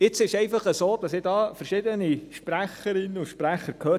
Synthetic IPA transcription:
ɪt͡sɪʃɛɪfɑχəsoːd̥̪ɑsɪdɑːfəɾʃɪd̪əniʃpɾæχəɾɪnːəʊʃpɾæχəkʰhøː

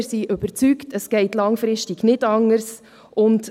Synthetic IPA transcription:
ɾsiʔøb̥əɾt͡syktəsɡ̥ɛɪtlɑŋfɾɪʃtɪɡ̥nɪdɑŋːəɾs | ʔʊnt

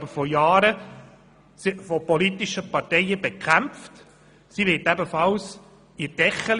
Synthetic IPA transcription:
bəfɔjɑːɾə | sɪfɔpɔlitiʃəpɑɾtɛjəbɛkχæmft | siʋɪtæbəfɑls | iɾd̥ɛχəl

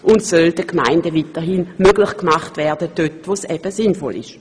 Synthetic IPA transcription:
ʔʊntsøldəkma̰ɪndəvitəɦinmøɡlɪχkmaχtvɛɐdəd̥øtvoːsɛb̥əsɪnfɔ̰lʔɪ̰ʃ

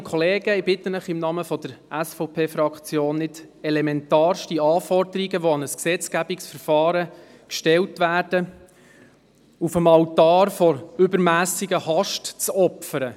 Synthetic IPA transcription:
əkʰɔleːɡəɪbɪt̪ːənəχɪmnɑməfɔd̥əɾʔæsfɔʊpʰeːfɾɑkt͡sjoːnːɪd | ɛlɛmɛnt̪ɑːɾʃtiɑːfɔrdəɾiɡəʋoɑnəsksɛt͡skæbiksfəɾfɑːɾə | kʃtɛltʋæːrd̥ə | ufəmɑwtɑːɾfɔɾʏbəɾmæːsiɡəhɑʃtt͡sɔpfəɾə

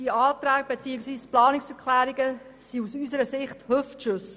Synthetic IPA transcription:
d̥iɑːtɾæːɡ̥̚b̥et͡siːəksʋiːsplɑːnɪksɛɾkʰlæːɾiɡə | siusysəɾəsɪχthøftʃɵs

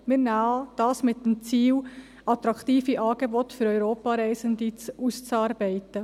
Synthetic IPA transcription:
mɪɾnɑːd̥ɑːsmɪtːəmt͡siːw | ɑtɾɑktiːfiʔɑːɡ̥ebɔtfʏɾœʏɾoːpɑɾɛɪsənd̪it͡sust͡sɑːɾbɛɪt̪ə

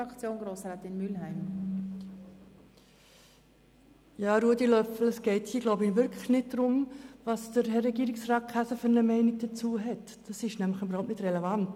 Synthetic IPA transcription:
ɑkt͡sjoːnɡɾoːsɾɛːt̪ɪnmylɦæɪm | jɑːɾuədilœfl̩əsɡ̥ɛɪthiːəɡloʊbiʋʏɾkʰləxnɪt̚d̥ɾʊmvɑsd̥əɾɦɛɾɛɡiːɾɪksrɑːt̚kʰæsəfʏɾnəmɛɪnɪɡ̚d̥ət͡suːəɦɛt | d̥ɑsɪʃnæmləχybəɾ̩haʊp̚tnɪdrɛlɛvɑnt

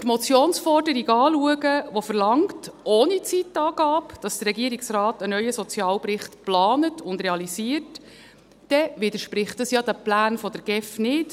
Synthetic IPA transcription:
tmɔt͡sjoːnsfɔrdəɾiɡɑːluəɡəʋofəɾlɑŋktoːnit͡sitɑːɡ̥ɑːpd̥ɑsd̥̪ərːɛɡiəɾiksrɑːtənœʏəsɔt͡sjɑːlpɾɪχtplɑːnətʊndrɾeɑliziːərt | d̥ɛʋɪdəʃpɾɪχtɑsjɑd̥̪æplæːnfɔd̥əɾɡ̥ɛfnɪt

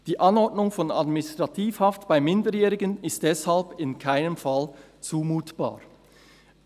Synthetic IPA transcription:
d̥iːʔanɔɐdnʊŋfɔna̰dmɪnɪstʁ̥atʰiːfhaftb̥aɪmɪndəjɛːʁɪɡənɪst̚d̥ɛshalbɪnkʰaɪnəmfal | t͡suːmuːtb̥a̰ː

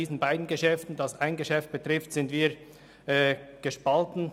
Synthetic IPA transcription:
iːzn̩baɪdn̩ɡəʃɛftn̩dɑsaɪnɡəʃɛft̚b̥ətʁɪftz̥ɪntviːɾ | ɛːɡ̥əʃpaltn̩

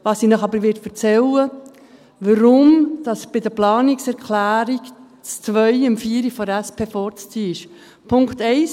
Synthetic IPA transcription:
ʋɑːsinɑχɑbəɾʋɪɾtfət͡sɛlə | ʋəɾʊmd̥ɑsb̥ɪdəplɑːnɪksɛɾkʰlæːɾik | t͡st͡svʋœʏɪmfiːɾifɔdæspʰeːfɔɾt͡st͡siːɪʃ | pʰʊŋktɛɪs

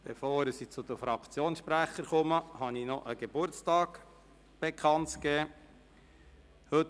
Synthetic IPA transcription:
b̥efoːɾəsit͡sʊd̪əfɾɑkt͡sjoːnsʃpɾæχːəɾkɔməhɑninɔʔəɡ̥eb̥ʊɾt͡stɑːɡ | b̥ekʰχɑntkɛː | hɵt

